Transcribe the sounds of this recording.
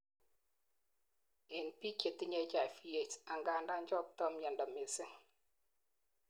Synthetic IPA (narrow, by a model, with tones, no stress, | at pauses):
e˨npi˦ke˨ti˦ɲɛ˦t͡ʃa˨fi˦je˨ta˨ŋɡa˨nda˦ɲd͡ʒɔ˦˨p̚tɔ˦mja˨ndɔ˨me˨sɪ˦